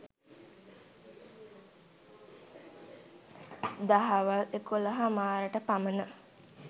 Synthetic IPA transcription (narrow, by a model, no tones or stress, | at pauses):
d̪aɦaʋəlekuləɦamaːɾəʈəpamənə